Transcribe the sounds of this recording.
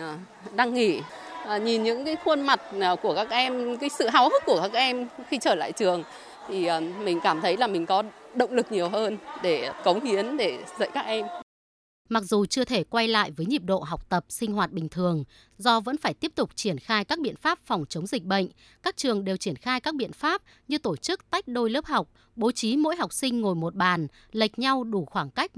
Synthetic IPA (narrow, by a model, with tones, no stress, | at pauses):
ɗa˧ŋːi˧˩˨ | ɲi˨˩nɲɨ̰˧˥ŋkaː˨˦jxwə˧nma˨˩t̚ku˧˩əkaː˦˥k̚ʔɛ˧mkaː˨˦jsɨ̰˧˨ɦa˨˦whə˦˥t̚ku˧˩əkaː˦˥k̚ʔɛ˧mxi˧t͡ɕəː˧˩la̰ː˧˨jt͡ɕɨ˨˩əŋ | t̪ʰi˨˩˨mï˨˩ŋ̟kaː˧˩mt̪ʰə˨˦jlaː˨˩mï˨˩ŋ̟kɔ˨˦ɗə̰˧˨wŋ͡mlɨ˨˩k̚ɲi˨˩əwhəː˧nɗe˧˩kə˨˦wŋ͡mhi˨˦ənɗe˧˩zə̰˧˨jkaː˦˥k̚ʔɛ˧m | ma˨˩k̚zu˨˩t͡ɕɨ˧ət̪ʰe˧˩kwa˧jla̰ː˧˨jvəː˨˦jɲi˨˩p̚ɗo̰˧˨ɦa˨˩wk͡p̚t̪ə˨˩p̚sï˧ŋ̟ɦwaː˨˩t̚ɓï˨˩ŋ̟t̪ʰɨ˨˩əŋ | zɔ˧və̰˧˥nfaː˧˩jt̪i˦˥əp̚t̪ʊ˨˩k͡p̚t͡ɕi˧˩ənxaː˧jkaː˦˥k̚ɓḭ˧˨ənfaː˦˥p̚fɔ˨˩wŋ͡mt͡ɕə˨˦wŋ͡mzï˨˩k̟̚ɓə̰˧˨ŋ̟ | kaː˦˥k̚t͡ɕɨ˨˩əŋɗe˨˩wt͡ɕi˧˩ənxaː˧jkaː˦˥k̚ɓḭ˧˨ənfaː˦˥p̚ | ɲɨ˧t̪o˧˩t͡ɕɨ˦˥k̚t̪a˦˥jk̟̚ɗo˧jləː˦˥p̚ha˨˩wk͡p̚ | ɓo˨˦t͡ɕi˨˦mo̰˧˥jɦa˨˩wk͡p̚sï˧ŋ̟ŋo˨˩jmo˨˩t̚ɓaː˨˩n | lə˨˩jk̟̚ɲa˧wɗu˧˩xwaː˧˩ŋka˦˥jk̚